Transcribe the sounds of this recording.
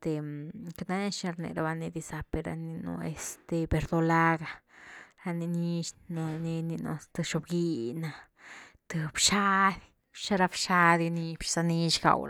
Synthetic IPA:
t̪e˨ka˧na˦na˦ʃi˧ɾnḛ˨ɾa˧ba˧ni˧d̪i˧sa˧pe˧ɾa̰˧ni˧no̰˧ḛ˧st̪e˧be˧ɾd̪o˧la˦ɡa˧ɾa˧ni˧ni˧ʃna˧ni˧ni˧no̰˧t̪ɨ˧ʃo˧bɡi˧na˧ | t̪ɨ˧bʃa˦d̪ | ʃa˦ɾa˧bʃa˦d̪ni˧pʃsa˧ni˧ʃɡa̰˨wɾ

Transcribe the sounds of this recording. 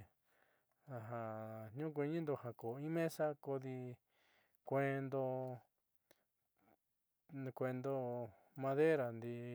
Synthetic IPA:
a˧ɦã˧ɲũ˦k̬ʷẽ˧ɲĩ˦nd̪o˧ha˧ko˨ĩ˦mẽ˦sa˦ko˧ði˧ | kʷẽ˦˧nd̪o˧ | kʷe˧nd̪o˧ | mã˧ðe˦ɾa˨nd̪i˧

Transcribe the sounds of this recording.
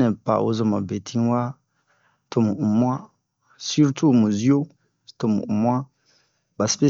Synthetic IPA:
nɛ̃˨pa̰˨ʔo̰˦zɔ˨ma̰˨be˨tʰi˦wa˦ | to˦˨mu˨ʔu˨mwã˦ | si˦ɾtu˦˨mũ˨zi˦o˦˨ | to˨mṵ˨u˨mwa˦ | ba˨spe˦

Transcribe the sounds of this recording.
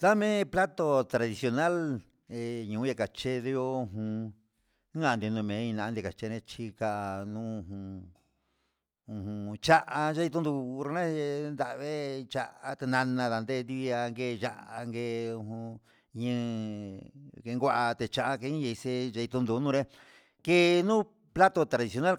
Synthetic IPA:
t̪a˦mẽ˦pla˦t̪o˧t̪ɾa˧ði˧sjo˧na˦l | e˨ɲũː˨˦ja˧ka˨t͡ʃe˦ðe˧jo˦ũ˧ɦũ˧˦ | ã˧˨˧d̪i˧nũ˧mẽ˨˦ĩ˧nã˧a˧nd̪ka˨t͡ʃe˦˧ẽ˧t͡ʃi˧ka˧ʔnũ˦ũ˧˨ɦũ˧ | ũ˧hũ˧t͡ʃa˦ʔa˧ʒa˧i˧t̪̬u˦nd̪u˧ɾo˧ẽ˦˧nd̪a˧˨˧βe˦t͡ʃa˧ʔa˧t̪e˧nã˧nã˧ða˧nd̪e˦˧nd̪i˦˧a˧ŋɡe˦˧˨ʒa˧ʔa˧ŋɡe˧u˧hũ˧ | ɲɨ̃˦˧ | ke˧ŋɡʷa˦ʔa˧t̪e˧t͡ʃa˧ʔa˧ke˧˦ĩ˦ja˧i˧se˧d͡ʒa˧i˧t̪u˧nd̪u˧nũ˦ɾẽ˦ | ke˧nũ˦ | pla˦t̪o˧t̪ɾa˨ði˧sjo˧na˦l

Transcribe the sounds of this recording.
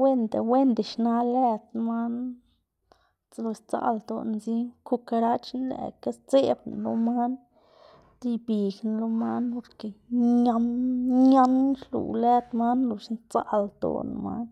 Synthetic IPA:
we˦nd̪e˨we˦nd̪e˨ʃna˧læ˦t̪ma˦n | lo˧st͡sa̰˧˦ld̪o̰˨n˧zi˦ku˧ka˧ɾa˦t͡ʃnlḛ˨ka˦st͡se˦bn˨lo̰˧˦ma˦n | t̪i˦bi˨ɡn˧lo˦ma˦npo˧ɾke˨ɲa˧nɲa˦nʃlṵ˨læ˦t̪ma˦nlo˧ʃnt͡sa̰˦ld̪o̰˨n̰˧ma̰˦n

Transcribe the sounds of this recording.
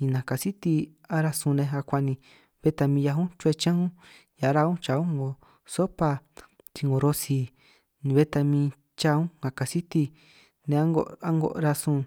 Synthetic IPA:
ɲĩ˧nã˨ka˧si˦t̪i˧ | a˦ɾa˧sũ˧nẽ˧ɦa˧kʷa˧nĩ˧ | βe˦t̪a˧mĩː˧ja˧ɦũ˦t͡ʃu˧e˧t͡ʃã˦ũ˦ | ja˨˦ɾa˧ũ˦t͡ʃa˧ũ˦ŋɡo˨ | so˦pa˧ | t͡ʃ̪i˧ŋɡo˨˧ɾo˧si˧ | nĩ˧βe˦t̪a˧mĩ˧ | t͡ʃa˦˧ũ˦ŋɡa˨ka˨si˦t̪i˧ | nẽ˧a˦ŋɡo˧a˦ŋɡo̰˧ʔɾa˧sũ˧

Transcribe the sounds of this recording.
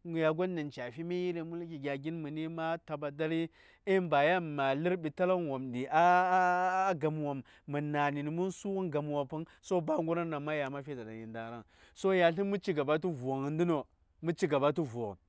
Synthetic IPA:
ŋ˨ja˨ɡʷo˦n˦di˨nt͡ʃa˨fi˦mi˦ji˦li˨mu˦lki˨ɡʲa˨ɡi˦nmi˨ni˦ma˦ta˨ba˨da˦ɾi˦ | i˦mba˨ja˦˨ma˨li˦ɾbi˨ta˦la˦nwo˨mdi˨a˦ | ɡa˨m˨wa˨mː | i˨na˨ni˨ni˨mu˦nsu˦ɣu˦nɡa˨m˨wa˨pu˦nso˦ba˦ŋɡu˦ɾa˦na˨ma˦ja˨ma˦fi˦da˨da̰˨ni˨nda˨ɾa˦n | so˦ja˨ɬi˦n˦mu˦t͡ʃi˦ɡa˨ba˦t̬u˦vu˨wa˨ŋ˨ndi˦no˨ | mu˦t͡ʃi˦ɡa˨ba˦t̬u˦vu˨o˨ɣ

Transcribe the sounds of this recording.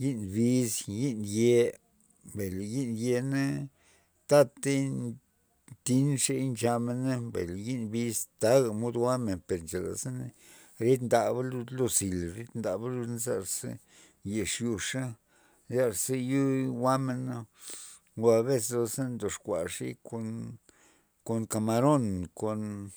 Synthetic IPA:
ji˦nbi˧sji˦nje˧ | mbe˨lji˦nje˧ne˦ | t̪a˦t̪e˦ | t̪i˦nʂe˦nt͡ʃa˧me˧na˦bḛ˨lji˦nbi˧zt̪a˦ɡa˨mo˦d̪wa˦me˨npe˨ɾnt͡ʃa˨la̰˨sa˦n˧ | ɾe˦t̪nd̪a˨ba˦lu˧d̪lo˧si˨lɾi˦t̪nd̪a˨ba˦lu˧n˦za̰˧ɾsḛ˦ | je˨ʂju˧ʂa˦ | za˦ɾse˦ju˦wa˦me˧na˦ | lo˧a˧βe˦s̬lo˧se˦nd̪o˨ʂkʷa̰˨ʂḭ˦ko˧n | ko˧nka˨ma˧ɾo˦nko˨n

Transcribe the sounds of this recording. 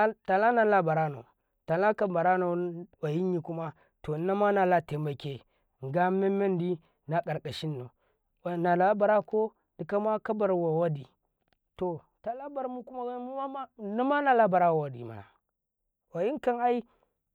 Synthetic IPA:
ta˨la˦na˨la˦ba˨ɾa˦no˨ | ta˨la˦ka˦ba˨ɾa˦no˨wa˨ji˦ɲi˨ku˦ma˦ | to˨˦na˦ma˦na˨la˦˨te˨mba˨ke˨ | ŋ˨ɡa˦me˦me˦ndi˦ | na˨ka˨ɾkʼa˨ʃi˦nːo˨ | wa˨na˨la˦ba˨ɾa˦ko˦ | di˨ka˦ma˦ka˦ba˨ɾwa˨wa˦di˨ | to˨ | ta˨la˦ba˨ɾmu˦ku˦ma˦wa˦mu˦ma˦ma˦na˦ma˦na˨la˦ba˨ɾa˦wa˨wa˨dḭ˨ma̰˨na̰˨ | wa˨ji˦ŋ˦ka˦na˦i˦

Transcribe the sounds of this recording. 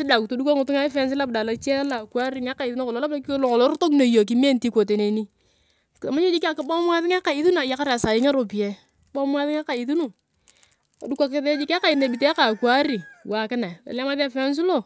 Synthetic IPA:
sɪ˦da˨kto˨˦du˦ka˦ŋʊ˨tʊ˦ŋa˦fɛ˦ns̬ɪ˦la˦b̚da˨la˨t͡ʃɛ˦la˨kwa˦ɾi˨ŋa˦ka˨i˨ðu˦na˦ko˨lo˨˦la˦bla˦klo˨ŋɔ˨lo˦ɾto˦kno˨jo˨k̬i˨me˦nti˦ko˨te˨ne˨ni˦ | ka˨ma˦ɲe˦d͡ʒi˦ka˨kɪ˦ba˦m˦a˦ðɪ˦ŋa˦ka˨i˦ðu˦na˨ja˨ka˦ɾa˨sa˨jɪ˦ŋa˦ɾo˨pi˨jɛ˨˦ | bɔ˦m˦a˦ðɪ˦ŋa˦ka˨i˨ðu˦nu˨ | a˨du˦kʷa˨ke˨˦ðe˦d͡ʒi˦ka˦ka˨i˨na˨bi˨te˦a˦ka˨kwa˦ɾi˨wa˨kɪ˦na˨a̰˨lɛ˦ma˦ðɛ˦fɛ˦ns̬ɪ˦lo˦˨

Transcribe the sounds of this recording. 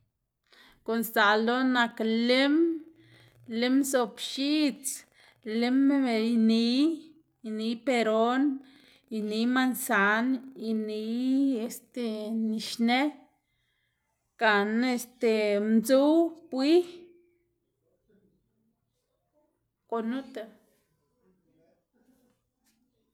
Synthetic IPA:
ko˨nsa˨lo˦na˧kle˦m | le˦mso˧˨pʃi˦t͡s | le˦mjni˧˦ | i˧ni˧˦pe˧ɾo˦n | i˧ni˧˦ma˦˧nsa˧˦ni˧ni˧˦e˧st̪e˧ni˨ʃne˦ | ka˨ne˧st̪e˧mzu˦wpwi˦ | ko˧nu˦t̪a˧

